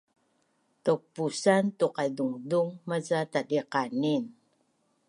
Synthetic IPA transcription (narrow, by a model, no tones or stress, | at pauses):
tok̚pusantuqaduŋduŋmazatadiqanin